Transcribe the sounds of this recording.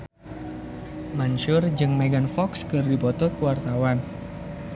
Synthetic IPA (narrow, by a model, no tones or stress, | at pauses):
manʃʊrd͡ʒɨŋmeɡanfɔkskɨrdipɔt̪ɔkuwart̪awan